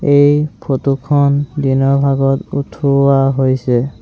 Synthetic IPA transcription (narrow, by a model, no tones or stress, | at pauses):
ejpʰotukʰɔndinɔɹbʱaɡɔtutʰuaɦojsɛ